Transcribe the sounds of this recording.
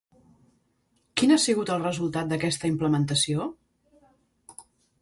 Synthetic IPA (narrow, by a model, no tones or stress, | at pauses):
kinasiɣut̪əlˠrəzulˠt̪at̪̚d̪əkɛst̪əimpləmənt̪əsio